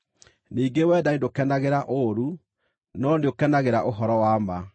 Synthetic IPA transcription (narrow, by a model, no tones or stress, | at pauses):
niːŋɡewɛːdaindokɛnaɣeɾaʔoɾu | nɔndeokɛnaɣeɾaʔoɦɔɾɔwaːma